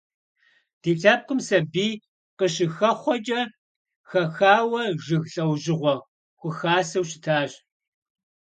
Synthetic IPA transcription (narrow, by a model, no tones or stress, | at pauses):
d̥eːɬʰaːp̚kʷʊmsɐbiː | qəɕɪxɐχʷɔt͡ʃʼɐ | xɐxaːwɐʒɨɣɬʼɐwʑɪʁʷɔ | xʷʊxaːsɐwɕɪ̥tʰaːʑ